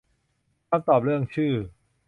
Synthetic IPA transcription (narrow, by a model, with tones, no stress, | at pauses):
aː˧˥˧mt̪ɔː˨˩p̚ɾɯ˥˩əŋt͡ɕʰɯː˥˩